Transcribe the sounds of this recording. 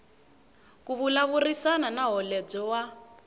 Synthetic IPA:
kuβulaβurisananaɦɔlɛd͡zɔwa

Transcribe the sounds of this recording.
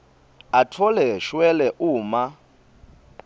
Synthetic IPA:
atʰɔlɛʃwɛlɛʔuːma

